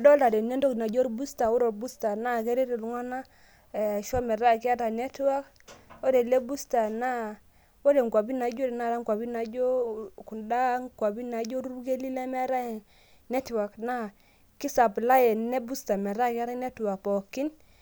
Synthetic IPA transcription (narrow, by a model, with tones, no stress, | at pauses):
a˨dɔ˦la˨dɛ˨ne˦ndɔ˦kna˨d͡ʒɔ˦ɾbu˦sta˨u˦ɾo˨bu˦sta˨na˦ke˦ɾe˦ɾɛ˨lu˨˦ŋa˦na˦˨ | ʃɔ˦mɛ˨ɾa˦ki˦a˦ta˨nɛ˦twa˦k | o˦ɾɛ˨le˦bu˦sta˨na˦ | wo˦ɾe˨ŋkwa˨bi˦na˨˦d͡ʒo˦ɾɛ˨na˦˨ɾa˦ŋkwa˨bi˦na˨˦d͡ʒo˦ku˨nda˦ŋkwa˨bi˦na˨˦d͡ʒo˦ɾu˦ke˦li˦lɛ˦mɛ˦ɾa˦jɛ˨ | nɛ˦twa˨kna˦ | ki˦sa˨pla˦jɛ˨nɛ˦bu˦sta˨mɛ˨ɾa˦ka˦ɾa˦nɛ˦twa˨pɔ˨ki˦n